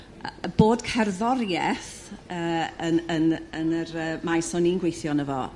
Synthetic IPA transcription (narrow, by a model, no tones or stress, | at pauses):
əb̥oːdkʰɛrðɔrjɛθ | əːəənənərəːmajsɔninɡwejθjɔnəvɔ̰